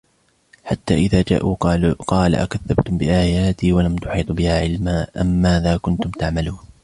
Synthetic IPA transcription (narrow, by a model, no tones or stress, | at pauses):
ħat̪ːaːʔɪðaːd͡ʒa̰ːʔuːqɑːla̰ʔa̰kaðːabt̪ʊmbɪʔaːjaːt̪iːwalamt̪ʊ̥ħiːt̪ˤbɪhaːʕɪlmaːʔamːaːðaːkʊnt̪ʊmt̪aʕmaluːn